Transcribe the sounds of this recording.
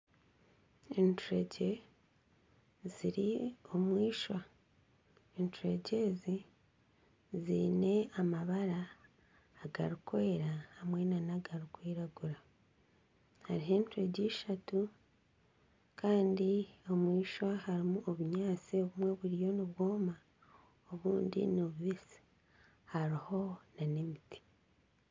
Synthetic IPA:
entuɾeɟe̞ | ziɾio̞mwiːʃwa | entuɾe̞̰ɟe̞ːzi | ziːne̞amaβaɾaː | ɡa̰ɾukʰoeɾahːmwe̞nanaɡaɾukwiːɾaɡuɾa | haɾiɦe̞ːntuɾe̞ɟiːʃatu | kʰaːndio̞mwiːʃwahaɾimuʔoβuɲaːt͡sioβumwe̞βuɾijo̞niβwo̞ːma | oβuːndḭnoβuβisi̥ | haɾiho̞nanemitʰi̥

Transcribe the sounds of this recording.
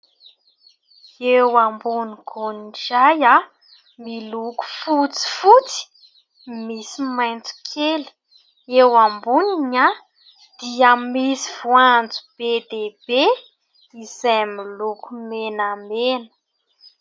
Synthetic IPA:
ewambuniɡʰonid͡ʒaja | miluku̥fut͡si̥fut͡si̥ | misimajnt͡su̥kʲʰeli̥ | ewambuniɲa | d̪̥iamisiv̥uand͡zub̥ed̪eb̥e | izajmilukumenamenə̥

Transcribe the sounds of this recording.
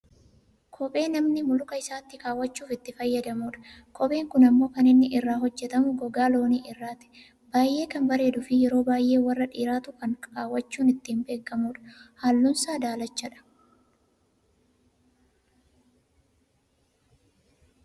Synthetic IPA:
kʰɔpʼe̞ːnɐmnɪmʊlʊkɐɪsaːt̪ːɪkʼaːwːɐt͡ʃːuːfɪt̪ːɪfɐjːɐd̪ɐmuːᶑɐ̥kʰɔpʼe̞ːŋkʊnɐmːo̞ːkɐnɪnːɪʔɪrːaːɦɔd͡ʒːɛt̪ɐmʊɡɔɡaːlo̞ːniːʔɪrːaːt̪ɪ̥ | b̥aːjʔe̞ːkɐnbɐɾe̞ːd̪ʊfɪjɛɾo̞ːbaːjʔe̞ːwɐrːɐᶑiːɾaːt̪ʊkɐŋkaːwːɐt͡ʃːuːnɪt̪ːɪːmbe̞ːkːɐmuːᶑɐ̥haːlːʊnsaːd̪aːlɐt͡ʃːɐᶑɐ̥

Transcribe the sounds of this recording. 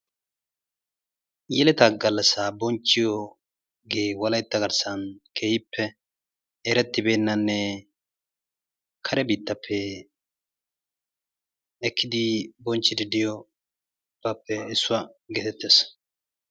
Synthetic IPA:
jɛlɛt̪ɐɡɐlːɐsabɔnt͡ʃːɪjɔ | ɡeːwɐlɐjt̪ːɐɡɐɾsɐnkʰeːhɪpʰːɛ | ɛɾɛt̪ːɪbe̞ːnːɐnːɛ | kʰɐɾɛbiːt̪ːɐpʰːɛ | kːɪd̪ɪbɔnt͡ʃːɪd̪ɪd̪ɪjɔ | b̥ɐpːɛɪsːʊwɐɡeːt̪ɛt̪ːeːs

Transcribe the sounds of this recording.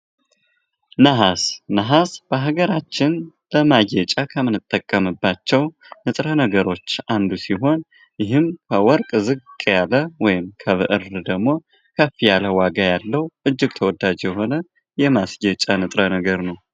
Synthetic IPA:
nəɦasnəɦasb̥əɦaɡəɾat͡ʃːɪnbəmajɛt͡ʃʼakʰəmɨnɨt̪ʼːəkʼːəmɨbːat͡ʃːɛw | nɨt̪ʼɾənəɡəɾo̞t͡ʃːand̪usiɦo̞n | jɪɦɨmkʰəwɔɾkʼzɨɡʼjaləwɔjɪmkʰəβɨ̰ʔɨrd̪əɡmo̞ | kʰəfijaləwaɡajalːəwʔɨd͡ʒːɪɡt̪ʰəwɔd̪ad͡ʒjɛɦo̞nə | jɛmasjɛt͡ʃʼanɨt̪ʼɾənəɡəɾnəw

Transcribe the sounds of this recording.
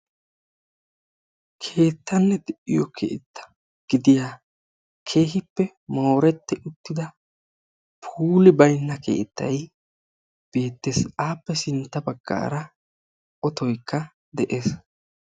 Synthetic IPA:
kʰe̞ːt̪ːɐnːɛd̪ɛʔːɪjɔkʰḛːt̪ːɐ̥ | ɡ̥ɪd̪ɪjaː | kʰe̞ːhɪpːɛ | moːɾɛt̪ːɛʊt̪ːɪd̪ɐ | pʰuːlɪbɐjnːɐkʰe̞̰ːt̪ːɐj | b̥e̞ːt̪ːeːsaːpːɛsɪnt̪ːɐbɐɡ̥ːa̰ːɾɐ | ɔt̪ɔjkʰːɐ | d̪ɛʔe̞ːs

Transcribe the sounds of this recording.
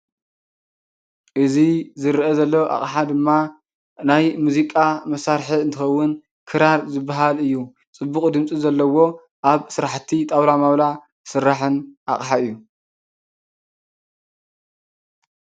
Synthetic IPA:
ʔɨzizɨɾʔezɐlːɐwʔa̰χʼħad̪ɨmːa | najmuzikʼamɐsaɾħiɨnt̪ʰɨxɐwːʊn | kʰɨɾaɾzɨbːaɦalɨjːu | t͡sʼɨbːukʼd̪ɨmsʼizɐlːɐwo̞ | ʔaβsɨɾaħt̪ʰit̪ʼawlamawla | sɨɾːaħɨnʔa̰χʼħaɨjːu

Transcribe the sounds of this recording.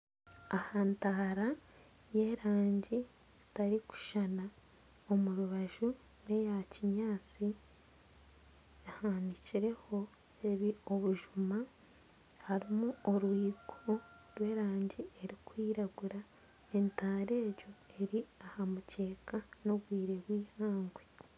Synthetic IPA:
ahantaɾa | je̞ɾaːɲɟi | z̥i̥taɾiku̥ʃana | omuɾuβaʒu | ne̞jaciɲaːt͡si | jahaːniciɾe̞ho̞ | e̞βio̞βuʒuma | haɾimuoɾwiːɡʰo | ɾwe̞ːɾaːɲɟiʔe̞ɾikwiːɾaɡuɾa | e̞ntaːɾe̞ːɾɟo̞e̞ɾiahamuce̞ːkano̞βwiːɾe̞βwiːhaːŋɡwe

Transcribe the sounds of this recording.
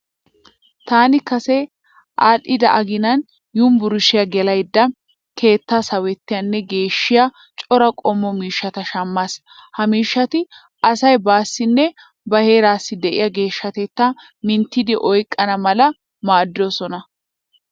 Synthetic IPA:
t̪aːnɪkɐsɛ | ʔaːlːɪd̪ɐ̰ʔɐɡɪnɐn | jumbʊɾʊʃɪjɐɡɛlɐjd̪ːɐ | ke̞ːt̪ːaːsɐwɛt̪ːɪjɐnːɛɡe̞ːʃːɪja | t͡ʃʼɔɾɐkʼɔmːɔmiːʃːɐt̪ɐʃɐmːas | hɐmiːʃːɐt̪ɪ | ʔɐsɐjbaːsːɪnːɛ | bɐhe̞ːɾaːsːɪd̪ɛʔɪ̰jɐɡe̞ːʃːɐt̪ɛt̪ːɐ | mɪnt̪ːɪd̪ɪʔɔjkʼːɐnɐmɐlɐ | maːd̪ːoːsɔnɐ

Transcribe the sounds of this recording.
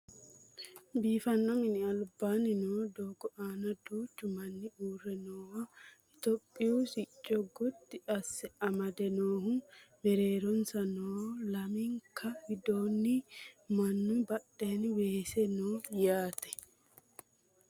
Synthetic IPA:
biːfɐnːɐmɪnɪɐlbaːnɪnoːd̪oːɡɔʔaːnɐd̪uːt͡ʃːʊmɐnːɪuːrːɛnoːwɐ | ɪt̪ɔpʼːɪusɪt͡ʃʼːɔɡɔt̪ːɪɐsːɛɐmɐd̪ɛnoːhʊmɛɾeːɾɔnsɐnoːlɐmɪŋkʰɐhɪd̪oːnːɪmɐnːʊbɐɗeːnweːsɛnoːjaːt̪ɛ̥

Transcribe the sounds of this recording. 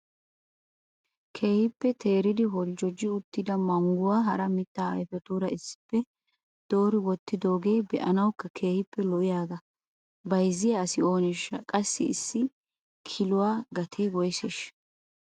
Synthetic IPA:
kʰe̞ːhɪpːɛt̪ʰe̞ːɾɪd̪ɪɦɔld͡ʒɔd͡ʒːɪʊt̪ːɪd̪ɐmɐŋɡʊwaːɦɐɾɐmɪt̪ːaːɐ̰jfɛt̪uːɾɐɪsːɪ̥pːɛ | d̪̥o̞ːɾɪwɔt̪ːɪd̪o̞ːɡe̞ːbɛʔɐnɐwkːɐkʰe̞ːhɪpːɛlɔʔɪjaːɡɐ | bɐjzːɪjɐːsɪo̞ːnɛʃːɐkʼɐsːɪɪsːɪ | kʰɪlʊwaːɡɐt̪ʰeːɡɔjseʃ

